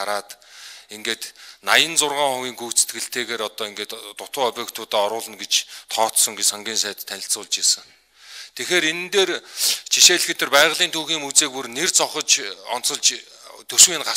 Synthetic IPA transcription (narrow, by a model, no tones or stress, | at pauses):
aɾaːt̪eŋɡeːt̪najə̆nt͡sʊrʁaːŋχʊɣʲiːŋɡujkt̪se̥t̪ɡɘ̆ɬt̪eːɣeːɾɔt̪ɔːiŋɡeːt̪ːʊt̪ʰʊːœpʲeːkt̪ʰʊːt̪aːɔɾʊːɮə̆nɡet͡ɕt̪ʰɔːt̪sɞ̆ŋɡesɔŋɡʲiːnsæːt̪t̪ʰːænʲɪ̆ɬt͡sʊːɮt͡ɕjasə̆ŋ | t̪ʰexeːɾenɘ̆nt̪eːrt͡ɕʰiʃeːɮ̆xet̪ɘ̆rpæːʁɮiːnt̪ʰuːxiːmut͡seːk̚purnert͡sɔχɞ̆t͡ɕɔ̰nt͡sɞ̆ɮt͡ɕ | t̪ʰɵʃwiːnɢa